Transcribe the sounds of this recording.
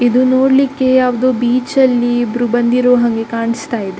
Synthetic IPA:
id̪unoːɽlikːe̞jaːʋud̪oːbiːt͡ʃɐlːiːbɾubɐnd̪iɾoːɦɐŋɡe̞kaːɳist̪aːjid̪e

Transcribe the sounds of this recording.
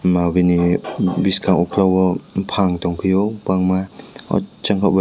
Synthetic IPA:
mabinibiskʰaŋukʰlawɔpʰaŋtɔŋpʰijɔbaŋmaɔ̰t͡ʃaŋkʰaba

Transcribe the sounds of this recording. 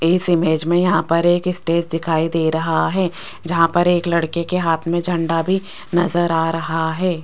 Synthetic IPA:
ɪsɪmeːd͡ʒmẽjɐɦãpɐɾeːkɪsʈeːd͡ʒd̪ɪkʰaːid̪eːɾɐɦaɦɛː | d͡ʒɐɦãpɐɾeːklɐɽkekeɦaːt̪ʰmẽd͡ʒʱɐ̃ɳɖabʱi | nɐzəɾaːɾɐɦaɦɛː

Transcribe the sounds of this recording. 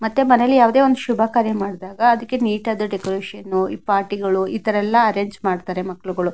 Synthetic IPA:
mɐt̪ːemɐnelːijaːʋud̪eːond̪uʃubʱaːkaːɾjɐmaːɽd̪aːɡɐːd̪ɐkːe̞niːʈɐd̪uɖekoɾeːʃɐnːuipaːɾʈiɡɐɭuit̪ɐɾɛlːɐɐɾe̞ːɲd͡ʒmaːɖt̪aːɾe̞mɐkːɐɭuɡɐɭu

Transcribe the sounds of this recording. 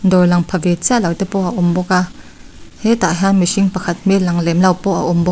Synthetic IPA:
nd̪ɔɹlɐŋpʰɐvɛt͡siaʔlɐwt̪ɛpɔʔɐʔʊmbɔka | hɛt̪aɦanmisiŋpɐkʰɐt̪̚milɐŋlɛmlɐwpɔʔɐ̰ʔʊmbɔ

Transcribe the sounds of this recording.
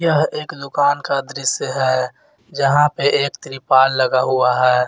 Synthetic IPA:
jəɦeːkd̪ʊkaːnkad̪ɾɪsjəɦɛː | d͡ʒəɦãpeʔeːkt̪ɾipaːlːəɡaɦuaɦɛː

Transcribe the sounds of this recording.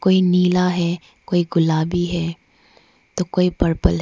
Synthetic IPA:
koːiniːlaɦɛ | koːiɡʊlaːbiɦɛː | t̪okoːipəɾpəlɦ

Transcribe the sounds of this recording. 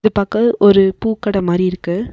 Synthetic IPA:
ðɯpɐkɐʔɔɾɯpuːkːɐɽɐmaːd̪ɾiɪɾɯkːɯ

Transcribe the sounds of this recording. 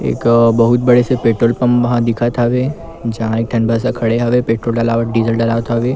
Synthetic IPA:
ḛːkbɐɦʊt̪̚bɐɽesepeːʈɾoːlpɐ̃mʋɐɦãd̪ɪkʰat̪ʰaʋeː | d͡ʒɐɦãeːk̚ʈʰɐ̃nbʱas̬akʰɐɽeɦaʋepeːʈɾoːlɖɐlaːʋəɖiːzəlɖɐlaːʋt̪ʰaʋeː

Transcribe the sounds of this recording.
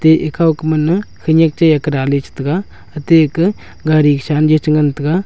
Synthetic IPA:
t̪eːʔɪkakmɐnkʰəɲɐkt͡ʃɐjɐkɾaːlet͡ʃʰi̥t̪ɡaː | ɐt̪eɪk | ɡaːɾiːkʃaːnd͡ʒet͡ʃəŋɡənt̪ɡaː

